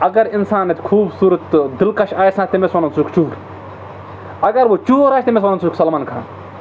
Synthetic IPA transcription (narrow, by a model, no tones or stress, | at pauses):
ɐɡɐɾinsaːnːet̪ʲkʰuːbsuːɾɐt̪d̪ɪlkɐʃaːjsnat̪t̪emesɐnɐnt͡suːkt͡ʃuːɾ | ɐɡɐɾʋot͡ʃuːɾaːt͡ʃʰt̪emes̬wɐnɐnt͡suːksɐlmaːnkʰã̰ːn